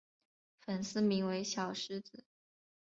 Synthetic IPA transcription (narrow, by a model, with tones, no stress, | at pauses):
fə˨˩ns̩˥˧mi˧˥ŋwe˧˥ɪɕjɑ˨˩ʊʂɻ̩˥t͡sɹ̩˨˩˦